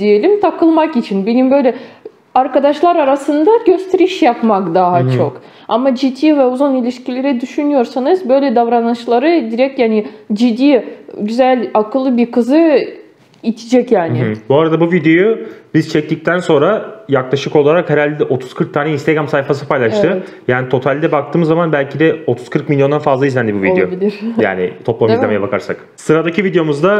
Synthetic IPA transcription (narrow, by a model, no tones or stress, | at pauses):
d̪ije̞lʲimt̪ʰakʰɯlˠmakit͡ʃʰinbenimbø̞jlʲɛ | aɾkad̪aʃlˠaɾaɾasɯnd̪aɟø̞st̪ʰeɾiʃjapmakd̪aɦat͡ʃʰo̞k | amad͡ʒit̪ʰːiːvɛuzonilʲiʃcʰilʲeɾɛd̪yʃynyjo̞ɾsanɯzbø̞jlʲɛd̪avɾanɯt͡ʃlˠaɾɯd̪iɾɛc̚t̪jaːnid͡ʒid̪ːiːɟyzælʲakʰɯlˠːɯbiɾkɯzɯ | it͡ʃ̪ʰi̥d͡ʒɛcjaːnɪbuaɾad̪abuvid̪jo̞jubizt͡ʃʰɛc̚t̪ic̚t̪ʰænso̞nɾajaklˠaʃɯko̞lˠaɾakheɾalʲd̪id̪ɛʔo̞t̪ʰu̥z̥kʰɯɾk̚t̪ʰaːnɛinst̪eɡɾamsajfas̬ɯpʰajlˠaʃt̪ɯ | jaːnit̪ʰo̞t̪ʰalʲd̪ɛbak̚t̪ʰɯːmɯzːamanbælʲcʰid̪ɛo̞t̪ʰuz̥kʰɯɾk̚milʲjo̞nd̪anfazlˠaizlʲænd̪ibuvieoilʲiɾja̰ːnɪ̰t̪ʰo̞plˠamizlʲeɛmɛjɛbakʰaɾsa̰k | sɯɾad̪acivid̪ejo̞muzd̪a